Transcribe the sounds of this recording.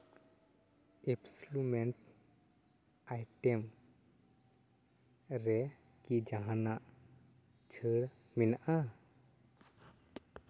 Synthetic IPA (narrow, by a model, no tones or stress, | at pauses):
epslumeɳʈ | ajʈem | ɾɛ | kid͡ʒaɦanaʔ | t͡ʃʰəɽ | minʔa